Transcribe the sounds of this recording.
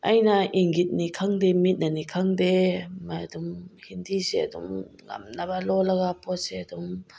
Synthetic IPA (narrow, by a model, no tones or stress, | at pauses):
ʔɐjnaʔiŋɡit̪̚nikʰaŋd̪ɛmit̪̚nanikʰaŋd̪ɛmadumhind̪isɛadṵmŋa̰mnabalɔlaɡapɔt̚sɛadum